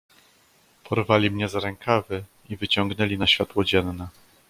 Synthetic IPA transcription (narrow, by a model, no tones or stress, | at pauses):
pʰɔɾvalʲimɲɛzɾɛŋkʰavɘ | ivɘt͡ɕɔŋɡnɛlʲinaɕfʲjat̪wɔd͡ʑɛnːɛ